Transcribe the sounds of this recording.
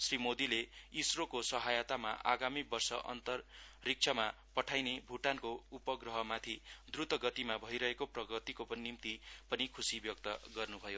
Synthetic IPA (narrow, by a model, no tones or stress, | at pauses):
srimod̪ileisrokosʌɦajat̪ama̰ʔa̰ɡamibʌrsʌʔʌ̰nt̪ʌrːik̚t͡sʰʌma | pʌʈʰajnebʱuʈankoupʌɡrʌɦʌmat̪ʰid̪rut̪ʌɡʌt̪imabʱʌiɾʌɦekoprʌɡʌt̪ikopʌnnimt̪ipʌnikʰusibjʌk̚t̪ʌɡʌrnubʱʌjo